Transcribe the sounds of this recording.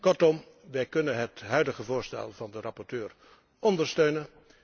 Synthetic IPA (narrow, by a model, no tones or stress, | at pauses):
kɔɹtɔm | ʋɛjkɵnənɦətɦœɥdəχəvʊːɹstɛ̰lˠvɑndərɑpɔɹtøːɹ | ɔndəɹstøɥnən